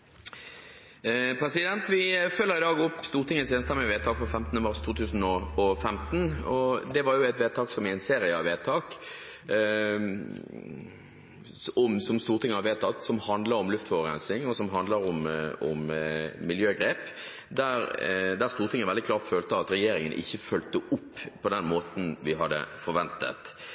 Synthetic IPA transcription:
pʰɾɛsɪd̪ɛnt̪ʋɪfœlːəɾɪd̪ɑːɡɔpːst̪uːʁt̪ʰɪŋːəseːnst̪ɑmɛʋeːt̪ʰɑːkfɔfɛmt̪nəmɑʁst̪ʰuːt̪ʰʉːsən̩ɔɔfɛmt̪n̩ɔd̪ɛʋɑɾjʊɛt̪ʋeːt̪ʰɑːksɔmɪæɪnseːɾɪəɑʋeːt̪ʰɑːk | ɔmsɔmst̪uːɾt̪ʰɪŋːəhɑʋeːt̪ʰɑt̪sɔmhɑnd̪ləɾɔmlʉft̪fɔʋəɾɛ̰nsɪŋɔsɔmɦɑnd̪ləɾɔmɔmːɪljøːɡɾeːp | d̪æɾd̪æɾst̪uːɾt̪ɪŋəʋɛld̪ɪklɑːʁt̪føːlt̪əɑt̪ɾɛjeːɾɪŋənʔɪ̰çːəfœlt̪əʔʊpːpʰɔd̪ɛnmoːt̪n̩ʋɪɦɑd̪ːə̰fɔɾʋɛnt̪ə̰t̪

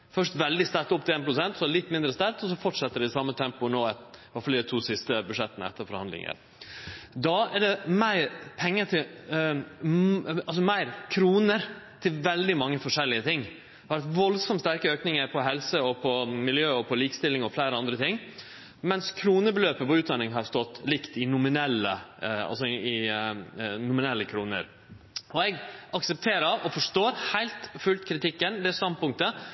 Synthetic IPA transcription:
fœʂt̪ʋɛld̪ɪst̪æɾkt̪ʊp̚t̪ɪleːnpʰɾʊsɛnt̪sɔlɪt̪ːmɪnd̪ɾəst̪æɾt̪ɔs̬ɔfɔʈʂɛt̪ːəɖɛɪsɑmːət̪ʰɛmpʊnoːɪʋɑɾfɑld̪æt̪ʰuːsɪst̪əbʉʂɛt̪ːənəɛ̰t̪ːəɾfɔɾhɑnd̪lɪ̰ŋə̰ɾ | d̪ɑːɛɖɛmæɪɾpʰɛŋːəʈʰɪl | ɑlsɔmæɪɾkʰɾuːnəɾt̪ʰɪʋɛld̪ɪmɑŋːəfɔʂɛlːɪət̪ʰɪŋ | ʋɑɾt̪ʋɔlsɔmst̪æɾkəøːknɪŋəɾpʰɔɦɛlsəɔpʰɔmɪljøːɔpʰɔliːkə̥st̪ɪlːɪŋɔflæɪɾəɑnd̪ɾət̪ɪŋː | mɛnskʰɾuːnəbəløːpəpɔʉːt̪d̪ɑnɪŋɦɑɾst̪ɔt̪ːlɪkt̪ɪnʊmɪnɛlːə̰ɑ̰lsɔɪ | nʊmɪnɛlːəkʰɾuːnə̰ɾ | ɔɛɡʔɑksəp̚t̪ʰeːɾɑʋɔfɔʂt̪oːɾhæɪlt̪fʉlt̪kʰɾɪt̪ɪkːənd̪ɛst̪ɑnd̪̚pʊŋk̚t̪ə

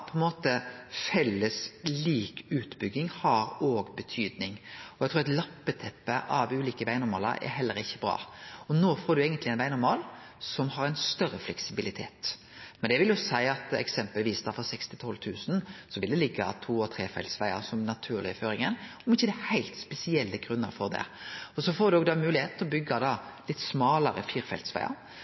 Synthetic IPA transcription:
pʰɔɛnmoːt̪əfɛlːəsliːkʉːt̪bʏɡːɪŋhɑɾoːɡbət̪ʰyːd̪nɪŋɔæɡ̚t̪ɾuːɾɛt̪lɑpːət̪ʰɛpːəʔɑʋʉːliːkəʋæɪnʊɾmɑːlə̰ɾʔɛ̰ɾɦɛlːəɾɪçːəbɾɑ̰ːɔnoːfoːɾd̪ʉeːɡənt̪lɪɛnʋæɪnʊɾmɑːl | sɔmhɑɾæɪnst̪œɾːəflɛksɪbɪlɪt̪ʰḛːt̪ | mɛnd̪ɛʋɪljʊsæɪɑt̪ɛ̰ksɛmpəlʋiːsd̪ɑfɔʁsɛkst̪ɪt̪ʰɔlt̪ʰʉːsn̩sɔʋɪld̪ɛlɪɡːɑ̰t̪ʰuːɔt̪ʰɾeːfɛ̰lt̪sʋæɪə̰sɔmnɑt̪ʰʉːʁlɪføːɾɪŋənɔmɪçːəd̪ɛhæɪlt̪spɛsɪɛlːəɡʁʉnːəɾfɔʁd̪ɛ̰ɔsɔfoːɾd̪ʉoːɡd̪ɑmʉːlɪheːt̪ɔbʏɡːɑd̪ɑlɪt̪ːsmɑːləɾə̰fiːɾfɛ̰lt̪sʋæ̰ɪɑ̰

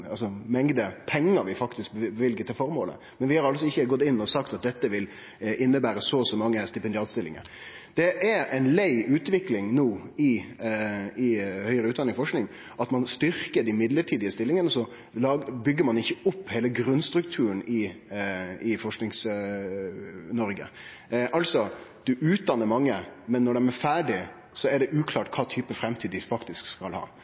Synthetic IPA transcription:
ɑlsɔmɛŋd̪əpʰɛŋːəɾʋɪfɑkt̪ɪskbbəʋɪlɡət̪ʰɪlfɔɾmo̰ːlə̰ | mɛnʋɪhɑɾɑlsɔɪçːəɡɔt̪ːɪnːɔsɑkt̪ɑt̪̚d̪ɛt̪ːəʋɪl | ʔɪnːəbæːɾəsɔsɔmːɑŋːəst̪ɪpɛnd̪ɪɑːt̪st̪ɪlːɪ̰ŋə̰ɾ | d̪̥ɛʔæɾɛɪnlæɪʔʉːt̪ʋɪklɪŋnoːɪ | ɪhœʏəɾəʉːt̪d̪ɑnɪŋfɔʂknɪŋ | ʔɑt̪mɑnst̪ʏɾkəɖ̪ɪmɪd̪ləʈʰiːd̪ɪəst̪ɪlːɪŋənəsɔ | lɑːbʏɡːəɾmɑnɪçːəʊpːheːləɡɾʉnst̪ɾʉkt̪ʰʉːənɪ | ɪfɔʂknɪŋs | nɔɾɡə̰ | ʔɑlsɔd̪̥ʉʔʉːt̪̚d̪ɑnːəɾmɑŋːəmɛnːɔɖɛmæfæːɖɪ | sɔɛɖɛʔʉːkʰlɑːʈkʰɑːt̪ʰyːpəfɾɛmt̪ʰiːd̪ɪfɑkt̪ɪskskɑlhɑ̰ː

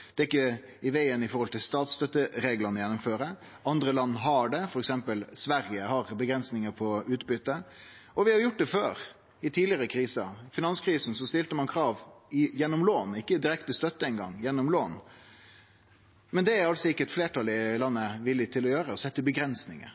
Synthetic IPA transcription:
d̪̥ɛːɾɪkːə | ɪʋæɪənɪfɔɾhɔlt̪ʰɪlst̪ɑːt̪st̪œt̪ːəɾeːɡlənəjɛnːʊmføːɾə | ɑnd̪ɾəlɑnːɦɑɖɛfɔɾɛksɛmpəlsʋæɾɪəhɑɾbəɡɾɛnsnɪŋəpʰɔʉːt̪bʏt̪ːə | ɔʋɪhɑjʊʈ̚d̪ɛføːɾ | ɪt̪ʰiːdlɪəɾəkʰɾiːsɑfɪnɑnskʰɾiːsn̩sɔst̪ɪlt̪əmɑnkʰɾɑːʋɪjɛnːɔmloːnɪkːəd̪ɪɾɛkt̪əst̪œt̪ːəɛɪnɡɑ̰ŋːjɛnːɔmloːn | mɛnd̪ɛæɾɑltsɔɪkːəɛt̪fleːʈʰɑlɪlɑnːəʋɪlːɪt̪ʰɪlɔjøːɾəɔsɛt̪ːəbəɡɾɛnsnɪ̰ŋə̰ɾ

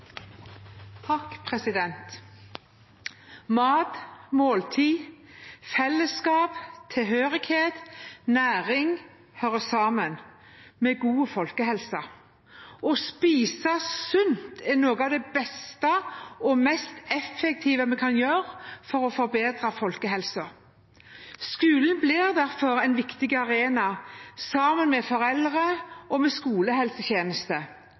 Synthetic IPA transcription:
t̪ʰɑkːpʰʁɛsɪd̪ɛnt̪ | mɑːt̪moːlt̪ʰiː | fɛlːəskɑːpt̪ʰɪlɦøːʁɪɡheːt̪næːʁɪŋ | hœʁəsɑːmən | mɛɡuːəfɔlkəhɛlsə | ɔspiːsəsʉnt̪ʰɛnoːɡəɑʋd̪ɛbɛst̪əɔmɛst̪ɛfːɛk̚t̪ʰiːʋəmɛkʰɑnjøːɾfɔɾɔfɔɾbeːd̪ɾəfɔlkəɦɛlsə | skʉːlən̩blɪʁd̪æʁfɔɾɛnʋɪkt̪ɪɡɑɾeːnɑsɑːmənmɛfɔɾɛlʁəɔmɛskuːləhɛlsəçeːnəst̪ə

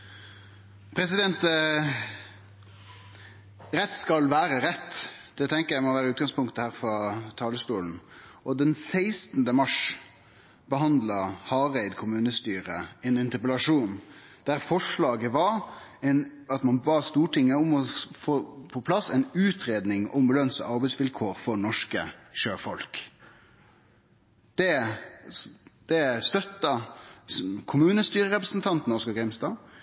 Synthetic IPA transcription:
pʰɾɛsɪd̪ɛnt̪ | ɾɛt̪ːskɑlʋæːɾəɾɛt̪ːd̪̥ɛt̪ʰɛŋkəjæɪmɔʋæːɾəʉːt̪̚ɡɑŋspʰʊŋt̪əhæːɾfɾɑt̪ʰɑːləst̪uːln̩ɔd̪ɛnsæɪst̪n̩d̪əmɑʂ | bəɦɑnd̪lɑhɑːɾæɪd̪kʰʊmʉːnəst̪yːɾəɛnɪnt̪əɾpəlɑʂuːn | d̪̥æɾfɔʂɭɑːɡəʋɑɾɛnɑt̪mɑnbɑːst̪uːʈʰɪŋːəʊmɔfoːpʰɔpʰlɑsːɛɪnʉːt̪ʰɾeːd̪nɪŋʔɔmbəlœnsə̰ɑɾbɛɪsʋɪlkʰoːɾfɔɳɔʂkəʃøːfɔlk | d̪̥ɛ | d̪̥ɛst̪œt̪ːɑ | kʰʊmʉːnəst̪yːɾəʁɛpʁəsnt̪ʰɑnt̪n̩ɔʁskɑɡɾɛmst̪ɑː

